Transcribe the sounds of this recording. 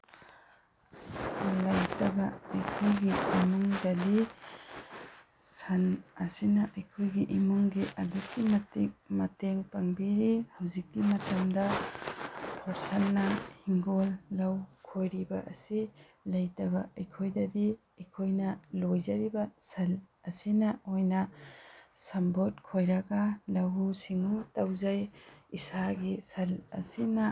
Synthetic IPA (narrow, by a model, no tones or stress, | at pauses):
lɐjtɐbɐɐjkʰojɡiimuŋdɐdi | sɐnɐsinɐʔɐjkʰojɡiʔimuŋɡiʔɐdukːimɐtik̚mɐteŋpɐŋbiɾihawzikːimɐtɐmdɐ | pʰɔɾsalːɐhiŋɡolːɐwkʰojɾibɐʔɐsi | lɐjtɐbɐɐjkʰojdɐdi | ɐjkʰojnɐlojzɐɾibɐsɐlɐsinɐojnɐ | sɐmbot̚kʰojɾɐɡɐlɐwusiŋutawzajisaɡisɐlɐ̰sinɐ